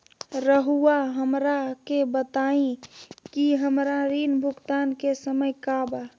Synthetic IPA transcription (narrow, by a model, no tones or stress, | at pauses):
ɾəɦuaɦəmɾakebət̪aĩkiɦəmɾaɾinbʱʊkt̪ankesəməjkaba